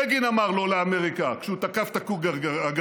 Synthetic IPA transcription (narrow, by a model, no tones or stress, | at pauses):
eɡinamaʁlo̞leameʁikakkʃeut̪akaft̪akuɡaaaɡ